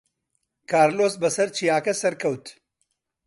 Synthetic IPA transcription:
kʰaːɾloːsbɐsɐɾt͡ʃʰijaːkɐsɐɾkʰɐwt̪

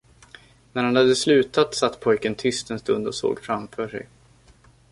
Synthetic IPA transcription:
næɾhanhad̪ːəslʉ̟ːt̪at̪sat̪ːpʰɔjkənt̪ʰʏst̪ɛnst̪ɵnd̪ɔso̰ːɡfɾamfœːʂɛ̰j

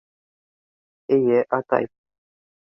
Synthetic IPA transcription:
ijeʔat̪a̰j

